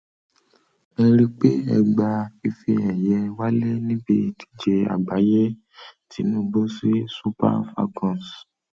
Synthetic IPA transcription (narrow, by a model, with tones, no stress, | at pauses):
ɛ˧ɾi˦k͡pe˦ɛ̰˧ɡ͡ba˧i˧fi˧ɛ˨jɛ˧wa˦le˦nĩ˦bi˦˨ti̥˦d͡ʒe˧a̰˨ɡ͡ba˨˦je˦ | tʰi˨˦nũ˦˨bo˦si˦su˦pa̰˦˨fa̰˧kɔ̃˨s